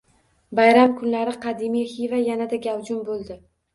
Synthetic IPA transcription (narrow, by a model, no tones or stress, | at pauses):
bajɾamkʰʊnlaɾɪqʰɑd̪imijhivajanad̪aɡʲawd͡ʒʊmbolˠd̪ɪ